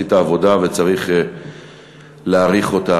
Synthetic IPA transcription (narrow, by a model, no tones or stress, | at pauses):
it̪aːvo̞dave̞t͡saʁiχ | leːʁiχo̞ta